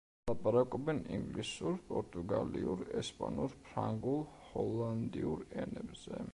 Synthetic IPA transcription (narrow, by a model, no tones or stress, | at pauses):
lapʼaɾakʼɔbɛniŋɡlisuɾpʼɔɾt̪ʼuɡaliuɾɛspʼanuɾpʰɾaŋɡulˠ | hɔlˠand̪iuɾɛnɛbz̥ɛ